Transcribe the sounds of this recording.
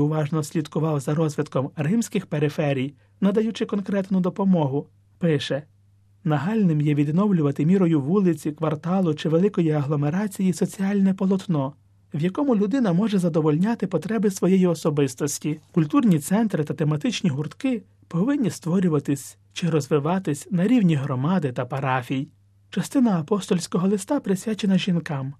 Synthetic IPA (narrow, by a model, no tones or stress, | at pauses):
ʊʋɑʒnɔsʲlʲid̪kʊʋɑwzɐɾɔzʲʋʲid̪kɔmrɪmsʲkɪxpeɾɪfɛɾʲij | nɐd̪ɐjut͡ʃɪkɔnkɾɛt̪nʊd̪ɔpɔmɔɦʊ | pɪʃɛ | nɐɦɑlʲnɪmjɛʋʲid̪nɔwlʲʊʋɐt̪ɪmʲiɾɔjʊʋulˠɪt͡sʲikʋɐrt̪ɑlˠʊt͡ʃɪʋelˠɪkɔjiɐɦlˠɔmeɾɑt͡sʲijisɔt͡sʲiɑlʲnɛpɔlˠɔt̪nɔ | ʋjɐkɔmʊlʲʊd̪ɪn̪ɐmɔʒɛzɐd̪ɔʋɔlʲnʲat̪ɪpɔt̪ɾɛbɪsʋɔjɛjiɔsɔbɪst̪ɔsʲtʲikʊlʲt̪urnʲit̪sɛnt̪ɾɪt̪ɐt̪emɐt̪ɪt͡ʃnʲiɦʊrt̪kɪ | pɔʋɪnʲːist̪ʋɔɾʲʊʋɐt̪ɪsʲ | t͡ʃɪɾɔzʋɪʋɑt̪ɪsʲnɐɾʲiwnʲiɦɾɔmɑd̪ɪt̪ɐpɐɾɑfʲij | t͡ʃɐst̪ɪnɐːpɔst̪ɔlʲsʲkɔɦɔlˠɪst̪ɑpɾɪsʲʋʲat͡ʃenɐʒʲinkɑm